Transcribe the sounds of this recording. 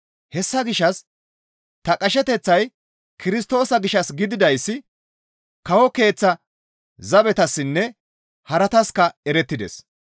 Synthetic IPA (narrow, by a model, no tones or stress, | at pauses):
hɛsːɐɡɪʃɐs | t̪ɐkʼɐʃɛt̪ɛt͡sːɐj | kɪɾɪst̪o̞ːsɐɡɪʃɐsɡɪd̪ɪd̪ɐjsːɪ | kɐwɔke̞ːt͡sːɐ | zɐbɛt̪ɐsːɪnːɛ | hɐɾɐt̪ɐskɐɛɾɛt̪ːɪd̪ɛ̰s